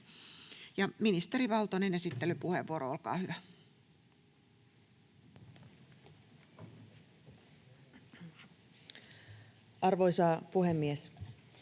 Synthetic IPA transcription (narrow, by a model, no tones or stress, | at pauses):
jɑminist̪eɾiʋɑlt̪onene̞sit̪ːelypuheʋʋuoɾoolkɑ̰ːhyʋæ | ʔɑrʋoisɑːpuhemːies